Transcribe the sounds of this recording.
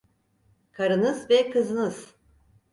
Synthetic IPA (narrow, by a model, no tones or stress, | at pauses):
kʰaɾɯnɯzvɛkʰɯzɯnɯz̥